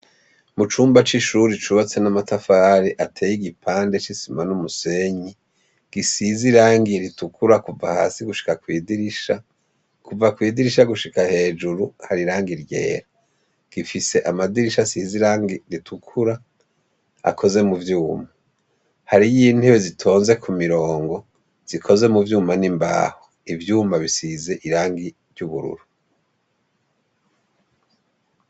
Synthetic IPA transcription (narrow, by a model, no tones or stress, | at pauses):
mut͡ʃuːmbat͡ʃiʃuɾit͡ʃuβat͡se̞namatafaːɾiʔatʰeːjiɡipʰaːnde̞t͡ʃisimanumuseɲi | ɡ̥isiziɾaːŋɡiɾitukʰuɾakuvahaːsiɡuʃi̥kakwiːdiɾiʃa | kuvakwiːdiɾiʃ̬aɡuʃikahe̞ːd͡ʒuɾuhaɾiɾaːŋɡiɾje̞̰ːɾa | ɡ̥ifise̞ʔamadiɾiʃasiziɾaːŋɡiɾitʰukʰuɾa | a̰kʰo̞ze̞muvjuːma | haɾijin̥heβwezitʰo̞ːnze̞kʰumiɾo̞ːŋɡo̞ | z̥ikʰo̞ze̞muvjuːmanimba̰ho | ivjuːmaβisize̞ʔiɾaːŋɡi | ɾjuβuɾṵɾu